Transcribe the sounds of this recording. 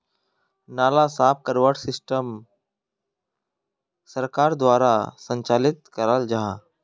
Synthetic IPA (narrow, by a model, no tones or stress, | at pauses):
naːlasaːp̚ʰkəɾʋəʈsɪsʈəm | səɾkaːɾd̪waːɾasə̃ɲt͡ʃaːlɪt̪kəɾald͡ʒaɦa